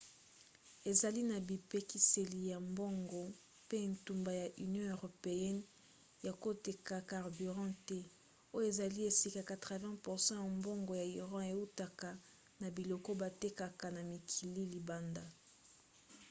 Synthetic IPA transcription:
e˨za˨li˦na˨bi˨pe˨ki˨se˨li˨ja˨mbo˦ŋɡo˨ | pe˦˨ntu˨mba˨ja˨ʔy˨njɔ̃˦ø˨ʁo˨pe˨ɛ˦n | ja˨ko˦te˨ka˨ka˨ʁby˨ʁɑ̃˦tɛ˦ | o˦jo˦e˨za˨li˦e˨si˨ka˨ka˨tʁɛ˨vɛ̃˦pu˨ʁsɑ̃˦ja˨mbo˦ŋɡo˨ja˨i˨ʁɑ̃˦e˨u˦ta˨ka˨ | na˨bi˨lo˨ko˦ba˨te˦ka˨ka˨na˨mi˨kʰi˨li˦li˨ba˦nda˦

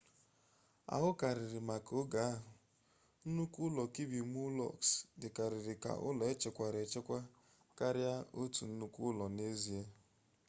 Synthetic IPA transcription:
a̰˨ɦʊ˦ka˨ɾɪ˨ɾɪ˨ma˨kʊ˦ɡa˨a˦ɦʊ˨ | n̩˦nu˦kʷu˦lɔ˨ki˦bi˨mu˦lɔ̰˦˨ksdɪ˨ka˨ɾɪ˨ɾɪ˨ka̰˨ʔʊ̰˦lɔ˨e˦t͡ʃe˨kʷa˨ɾe˨t͡ʃe˦kʷa˦ | ka˦ɾɪ˦a˦o˦tu˨n̩˦nu˦kʷu˦lɔ˨ne˦zi˦e˦

